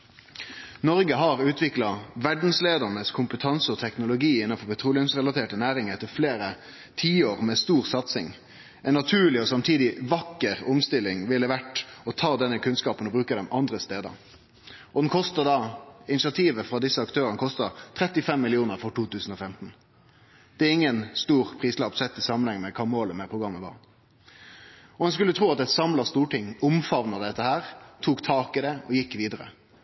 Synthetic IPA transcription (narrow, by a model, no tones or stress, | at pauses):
nɔʁɡəɦɑʁʉːt̪ʰʋɪklɑʋæɖn̩sleːd̪ənəskʰʊmpət̪ʰɑnsəɔt̪ʰɛknʊlʊɡiːɪnːɑnfɔpɛt̪ʰʁuːlɪʊmsʁɛlɑt̪ʰeːʈənæːɾɪŋəɛt̪əfleːɾə | t̪ʰiːoːʁmɛst̪uːʁsɑt̪sɪŋ | ɛnːɑt̪ʰʉːɭɪɔsɑmt̪ʰiːd̪ɪʋɑkːəʁʊmst̪ɪlɪŋʋɪlːəʋæʈɔt̪ʰɑːd̪ɛnːəkʰʉnskɑːpənɔbɾʉːkəd̪ɛmʔɑnd̪ʁəst̪eːd̪ə̰ɾ | ʔɔd̪ɛnkʰɔst̪ɑd̪ɑɪnɪsɪɑt̪ʰiːʋəfʁɑd̪ɪsːəɑkt̪ʰøːɾənəkʰɔst̪ɑt̪ʰɾɛt̪ːɪfɛmːɪlɪuːnəɾfɔʈuːt̪ʉːsn̩ɔfɛmt̪n̩ | d̪̥ɛææɾɪŋːənst̪uːʁpʰʁiːslɑːpsɛt̪ːɪsɑːmənɛŋːəmɛkʰɑmoːləmɛpʰʁʊɡʁɑmːəʋɑ̰ː | ɔɛnskʉlːət̪ʰʁuːɑt̪ɛt̪sɑmlɑst̪uːʈɪŋʊmfɑʋnɑd̪ɛt̪ːəhæːʁt̪ʰuːkt̪ʰɑːkɪd̪ɛɔjɪkːʋiːd̪əɾə̰